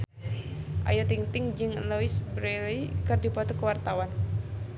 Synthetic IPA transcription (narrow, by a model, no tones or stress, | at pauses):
ʔa̰jot̪iŋt̪ɪŋd͡ʒɨŋloisbɾelikɨrdipɔt̪ɔkəwart̪awan